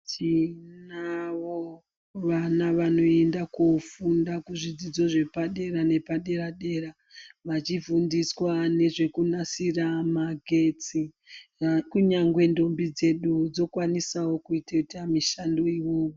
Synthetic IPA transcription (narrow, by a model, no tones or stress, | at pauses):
t͡ʃinaʋo | ʋanaʋano̞e̞ndakofundakuʐid͡zid͡zo̞ʐe̞paɗe̞ɾane̞paɗe̞ɾaɗe̞ːɾa | ʋat͡ʃivundiswane̞ʐe̞kunasiramaɡʱe̞t͡si | kuɲaŋɡwe̞ndo̞mbid͡ze̞ɗud͡zo̞kwanisawo̞kuitatamiʃandoiwoːwo